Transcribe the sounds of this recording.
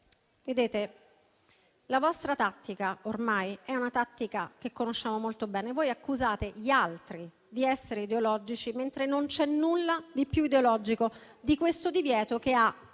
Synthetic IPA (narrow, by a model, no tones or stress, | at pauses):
ved̪eːt̪e | lavɔst̪ɾat̪at̪ːikaormajɛunat̪at̪ːikakekːonoʃːaːmomolt̪obɛːnevoːjakːuzaːt̪eʎialt̪ɾi | d̪iɛsːeɾeid̪eolɔd͡ʒit͡ʃiment̪ɾenont͡ʃɛnːulːad̪ipjuid̪eolɔd͡ʒiko | d̪ikwest̪od̪ivjɛːt̪okea